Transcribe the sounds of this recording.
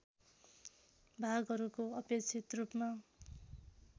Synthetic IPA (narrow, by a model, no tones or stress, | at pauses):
bʱaɡɦʌɾukoʌpet͡sʰit̪rupma